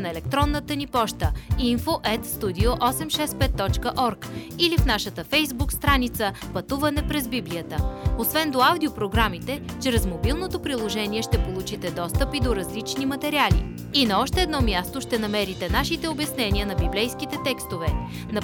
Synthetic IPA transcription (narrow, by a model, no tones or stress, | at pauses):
nɐɛlɛkt̪ɾɔnːət̪ənipɔʃt̪əinfoʔɛt̪st̪ud̪ioʔɔsɛmʃɛspɛt̪ːɔt͡ʃkəʔɔɾkilifnaʃət̪əfɛjzbukst̪ɾanit̪səpɐt̪uvɐnɛpɾɛzbibliət̪əosvɛnd̪oawd̪iopɾoɡɾamit̪ɛt͡ʃɾɛzmobilˠnot̪opɾilˠoʒɛniɛʃt̪ɛpolˠut͡ʃit̪ɛd̪ɔst̪əpid̪oɾɐzlit͡ʃnimɐt̪ɛɾialḭ | inɐɔʃt̪ɛːd̪nɔmjast̪oʃt̪ɛnɐmɛɾit̪ɛnaʃit̪ɛobjɐsnɛniənɐbiblɛjskit̪ɛt̪ɛkst̪ovɛ | nɐ